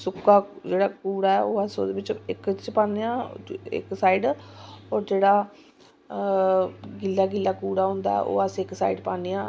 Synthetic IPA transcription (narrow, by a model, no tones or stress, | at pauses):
sʊkːaːd͡ʒeːɽaːkuːɽaːɛːoːəso̰ːd̪eːʋɪt͡ʃɪkt͡ʃpãːnejaːɪ̰ksaːiɖɔːɾd͡ʒeːɽaː | ɡɪlːaːɡɪlːaːkuːɽaːɦʊ̃ːnd̪a̰ɛ̰ʔo̰ːəsɪksa̰ːiɖpãːneːãː